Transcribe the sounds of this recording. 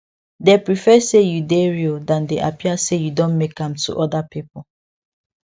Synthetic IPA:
depɹifɛsejudeɹildãndeʔapʰiasejudõnmekãmtʰṵʔɔdapipɔ

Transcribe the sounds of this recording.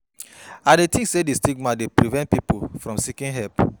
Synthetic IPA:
adetĩsedistikmãdepɾivɛ̃nt̚pipofɾɔ̃msikĩnɦɛlp

